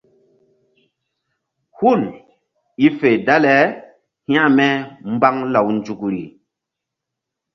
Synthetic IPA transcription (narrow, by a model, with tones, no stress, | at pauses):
hu˦˨n | i˦fe˨da˦lɛ˨˦ | hĩ˦ã˦mɛ˦m˦ba˦ŋla˨wnd͡ʒu˨kɾḭ˨